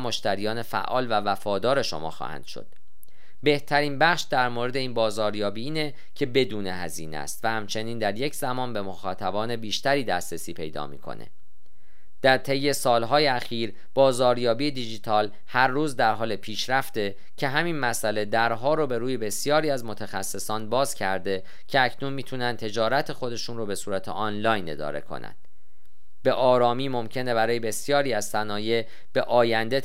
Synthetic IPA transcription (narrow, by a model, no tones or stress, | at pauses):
mo̞ʃt̪æɾijɒːnefæ̰ʔɒːlvævæfɒːd̪ɒːɾe̞ʃo̰mɒ̰ːxɒ̰ːhæ̰nd̪̥ʃo̰d̪̥ | be̞ht̪ʰæɾiːnbæχʃd̪æɾmoɾe̞d̪e̞iːnbɒːzɒːɾjɒːbiiːne̞ | cʰebe̞d̪uːne̞hæ̰ziːnḛst̪væhæmt͡ʃʰe̞niːnd̪æɾje̞cʰzæmɒːnbe̞mo̞xɒːt̪ʰæbɒːne̞biːʃt̪æɾiːd̪æ̰ːst̪ɾesiːpʰe̞̰jd̪ɒ̰ːmḭːkʰo̞̰nḛ | d̪̥æɾt̪ʰe̞jːe̞sɒːlɦɒːjeæxiːɾ | b̥ɒːzɒːɾjɒːbijed̪id͡ʒit̪ʰɒːl | hæɾːuːzd̪æɾɦɒːlepʰiːʃɾæft̪e̞ | cʰe̞ɦæminmæsæle̞d̪æɾɦɒːɾobe̞ɾuːjebe̞sijɒːɾiːæzmo̞t̪ʰæxæsːe̞sɒːnbɒːz̥cʰæɾd̪e̞ | cʰeæcʰnunmiːt̪ʰunænd̪̚t̪ʰe̞d͡ʒɒːɾæt̪ʰe̞xo̞d̪e̞ʃuːnrobe̞suːɾæt̪ʰḛʔɒnlɒːjne̞̰d̪ɒ̰ːɾe̞̰kʰo̞̰næ̰nd̪̥ | be̞ʔɒːɾɒːmiːmo̞mcʰe̞ne̞bæɾɒːje̞be̞sjɒːɾiːæzsænɒːje̞ | b̥eʔɒːjænd̪e̞